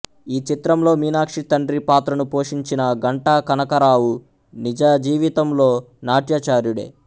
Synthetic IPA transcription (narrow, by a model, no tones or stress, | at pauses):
iːt͡ʃit̪ɾɐmlo̞ːmiːnaːkʂit̪ɐɳɖɾipaːt̪ɾɐnupo̞ːʂiɲt͡ʃinɐɡɐɳʈaːkɐnɐkɐɾaːwu | nid͡ʒaːɐd͡ʒiːʋit̪ɐmloː | naːʈjɐt͡ʃaːɾuɽḛː